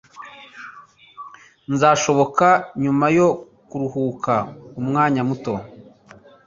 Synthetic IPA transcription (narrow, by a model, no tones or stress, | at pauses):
nzaːʃo̞βo̞kaɲumajo̞ | kuɾuhuːkaumŋaːɲamuto̞